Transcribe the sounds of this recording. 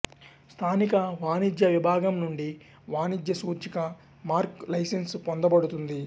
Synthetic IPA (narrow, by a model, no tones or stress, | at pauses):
st̪ʰaːnikɐʋaːnid̪jɐʋibʱaːɡɐmnuɳɖi | ʋaːnid͡ʒ̪jɐsuːd͡ʒikɐ | maːɾklɐjsenspond̪ɐbɐɽut̪und̪i